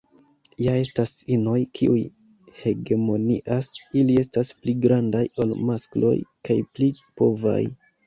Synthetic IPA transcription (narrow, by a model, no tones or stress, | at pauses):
jae̞stasino̞jkʰiʔuj | he̞ɡe̞mo̞nḭʔasilie̞staspliɡɾandajolmasklo̞̰jkajplipo̞va̰j